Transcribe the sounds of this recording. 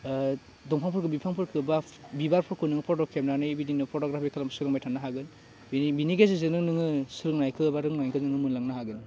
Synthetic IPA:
dɔŋpʰaŋpʰɯɾkʰɯbipʰaŋpʰɯɾkʰɯba | bibaɾpʰɔkʰɯnɯŋɯpʰotɔkʰemeɾanɯjbidinɯpʰotoɡɾapʰikʰalamsɯɾɯŋmajtʰanːaɦaɡɯn | bibiniɡazizɯnɯŋnɯŋɯsɯɾɯŋnajkʰɯbaɾɯŋnajkʰɯznɯŋɯmunlaŋnaɦaɡɯn

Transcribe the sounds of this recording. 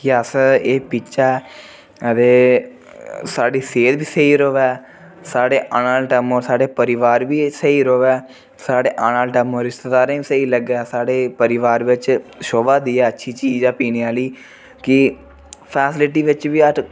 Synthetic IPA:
kɪəseːpit͡ʃʃa | əd̪eː | saːɖiːseːd̪biːsəiːɾoːʋɛː | saːɽeːʔənaːlʈɛmoːɾsaːɖeːpəɾɪʋaːɾbiːsəiːɾoːʋɛː | saːɖeːʔaːnaːlʈɛːmoːɾɪst̪əd̪aːɾẽːiːsəiːləɡɛːsaːɽeːpəɾɪʋaːɾʋɪt͡ʃʃoːbaːd̪iːɛːətːʃʰiːt͡ʃiːd͡ʒjãːpiːniaːliː | kɪ | pʰɛːsɪlɪʈiːʋɪt͡ʃʋiːə

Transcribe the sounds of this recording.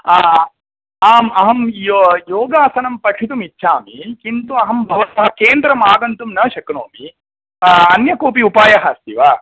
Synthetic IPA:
aːmɐɦɐmjoːɡaːsɐnɐmpɐʈʂʰit̪̬umitːʃʰaːmikint̪uɐɦɐmbʱɐʋɐsɐɦɐkeːnd̪ɾɐmaːɡɐnt̪umnɐːʃɐknoːmi | ɐnjɐkoːpiupaːjɐɦɐst̪iʋaː

